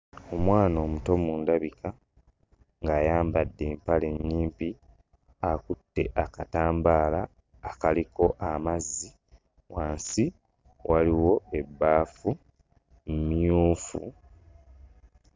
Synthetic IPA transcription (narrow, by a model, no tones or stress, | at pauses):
o̞mwaːno̞ːmuto̞muːndaβika | ŋɡaːjaːmbadːe̞ːmpale̞ɲːiːmpi | akutːe̞ʔakataːmbaːlaː | kaliko̞ʔamazːi | waːnsi | wʔaliwo̞e̞bːaːfu | mumijuːfṵ